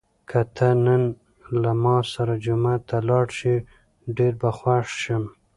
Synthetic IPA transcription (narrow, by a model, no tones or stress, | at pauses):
kʰat̪ʰanən | lamɑsaɾad͡ʒumat̪alɑɽʃi | ɖeɾbaxwaʂʃəm